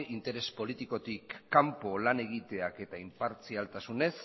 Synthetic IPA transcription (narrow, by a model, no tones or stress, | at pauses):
ʔint̪e̞ɾe̞spo̞lit̪iko̞t̪ikːampo̞lane̞ɣ̞it̪e̞ake̞t̪aimpaɾt͡sialt̪asune̞s